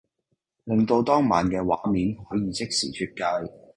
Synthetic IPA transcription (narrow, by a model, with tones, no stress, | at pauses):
lɪ˨˧ŋt̪o˧wt̪ɔː˥ŋmaː˨˩nkɛː˧wa̰ː˨˥miː˨˧nhɔː˨˥jiː˧t͡sɪ˥k̚sḭː˨˩t͡ʃʰyː˧t̚kaː˧j